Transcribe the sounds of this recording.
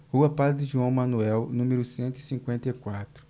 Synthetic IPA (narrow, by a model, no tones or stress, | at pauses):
huɐpad̪ɪdɪʒuɐ̃w̃mɐ̃nuɛwnũmeɾʊsẽnt̪ʊisĩŋkwẽnt̪ejkwat̪ɾʊ